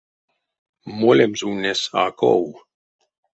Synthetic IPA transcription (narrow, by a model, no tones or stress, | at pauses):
molemzunesa̰ːko̰w